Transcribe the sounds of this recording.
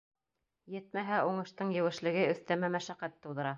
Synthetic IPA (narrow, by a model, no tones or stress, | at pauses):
jɘt̪mæɦæuɴɤ̆ʃt̪ɤɴjɘ̆wɘ̆ʃlɘ̆ɡɘɵ̆θt̪æmæmæʃæqæt̪ːɤ̆wðɤ̆ɾɑ